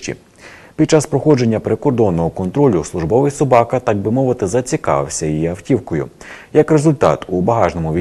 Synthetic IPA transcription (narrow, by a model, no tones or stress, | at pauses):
t͡ʃʲḭ | pʲid̪̥̚t͡ʃɑspɾɔxɔd͡ʒe̞nʲːɐpɾekɔrd̪ɔnːɔɦɔkɔnt̪ɾɔlʲʊslˠʊʒbɔʋɪjsɔbɑkɐt̪ɑɡ̚bɪmɔʋɪt̪ɪzɐt͡sʲikɑ̰ʋɪ̰wsʲɐjijiɐwtʲiwkɔjʊ̰jɐkɾe̞zʊlʲt̪ɑ̰t̪ubɐɦɑʒnɔmʊʋʲi